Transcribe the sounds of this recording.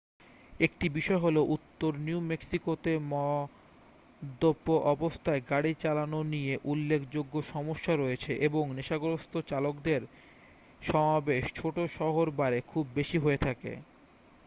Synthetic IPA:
ek̚ʈibiʃɔeɦoloʔut̪ːoɾniumeksikot̪emɔ | d̪opːoʔɔbost̪ʰaeɡaɽit͡ɕalanonijeʔulːekʰd͡ʑoɡːoʃɔmoʃːaɾojet͡ɕʰeʔeboŋneʃaɡoɾost̪ʰot͡ɕalokd̪eɾ | ʃɔmabeʃt͡ɕʰoʈoʃɔɦoɾbaɾekʰubːeʃiɦoet̪ʰakḛ

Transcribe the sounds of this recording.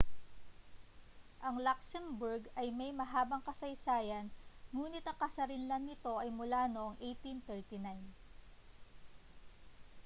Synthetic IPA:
ʔɐŋlaksɛmbʊɹɡɐjmɐjmɐɦaːbɐŋkɐsɐjsaːjɐnŋuːnɪt̪ɐŋkɐsɐɾɪnlɐŋnɪt̪o̞ʔɐjmʊlaːnoʔoŋʔejt̪int̪ɛɹt̪ɪnajn

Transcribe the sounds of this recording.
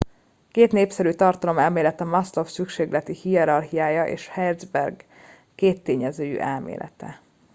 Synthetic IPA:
keːt̪neːpsɛɾyt̪ɒrt̪ɒlo̞mɛlmeːlɛt̪ɛmɒslo̞fsykʃeːɡlɛt̪ihiɛɾɒrɦijaːjɒʔḛːʃhɛrd̪zbɛrɡ | keːt̪ːeːɲɛzøːjy̰ʔɛlmḛːlʔɛ̰t̪ɛ̰

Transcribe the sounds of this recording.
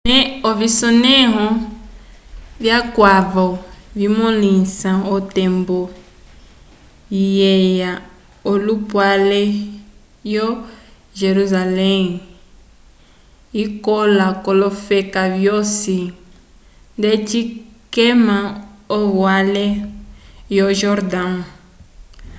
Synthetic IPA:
nɛovisɔnɛ̃ɦɔ̃ | vjakwavɔvimɔ̃lĩnsãotɛmbɔ | ijɛja | olupwalɛ | jɔ | ʒeɾuzalɛŋ | ikɔlakɔlɔfɛkavjosi | ndet͡ʃikɛmãoβwalɛ | jɔʒɔɾdã

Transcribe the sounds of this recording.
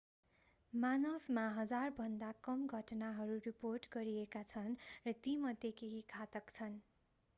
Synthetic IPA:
manʌbʱmaɦʌd͡zarbʱʌnd̪akʌmɡʱʌʈnaɦʌɾuriporʈɡʌɾiekat͡sʰʌnrʌt̪imʌd̪ʱjekeɦikʰat̪ʌkt͡sʰʌn

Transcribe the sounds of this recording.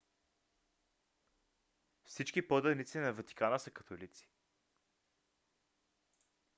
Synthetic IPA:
fsit͡ʃkipod̪ənit̪sinɐvɐt̪i̥kanəsəkɐt̪ʰolit̪si̥

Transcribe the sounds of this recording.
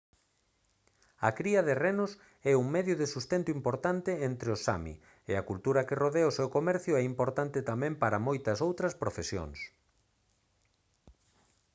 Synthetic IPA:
ɐkɾiɐðerenʊs | ɛuŋmɛðjʊðɪsust̪ent̪ʊimpoɾt̪ant̪ɪent̪ɾeʊsa̰mḭ | ḛɐkult̪uɾɐkɪroðeaʊsewkomɛɾθjʊɛimpoɾt̪ant̪ɪt̪amɛ̃mpaɾɐmojt̪ɐsowt̪ɾɐspɾofesjo̰ŋs

